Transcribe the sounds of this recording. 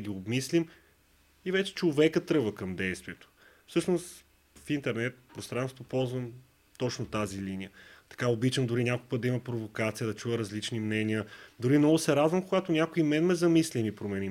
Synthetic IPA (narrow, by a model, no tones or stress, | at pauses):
ɡʲiobmislim | ivɛt͡ʃɛ̥t͡ʃovɛkət̪ɾɤvəkɐmd̪ɛjst̪vʲiɛt̪o̥ | fsɤʃnost̪ | fint̪ɛɾnɛt̪̚pɾost̪ɾansvopɔlˠzvəm | t̪ɔt͡ʃnot̪azilinijət̪ɐ̥kaobit͡ʃəmd̪ʊɾinʲakʊkpəd̪d̪ɐimɐpɾovokat̪sijəd̪ɐt͡ʃujəɾɐzlit͡ʃnimnɛniəd̪ʊɾimnɔɡʊsɛɾad̪vɐmkoɡat̪onʲjakoimɛnmɛzɐmislimipɾomɛnʲim